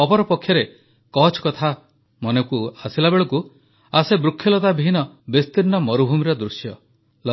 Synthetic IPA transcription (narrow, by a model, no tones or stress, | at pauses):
ɔpɔɾɔpɔkʰjɔɾe | kɔt͡ʃʰkɔt̪ʰa | mɔnekuasilabeɭɔku | asebɾukʰːjɔlɔt̪abʱinɔbest̪inːɔmɔɾubʱumiɾɔd̪ɾusjɔ | lɔ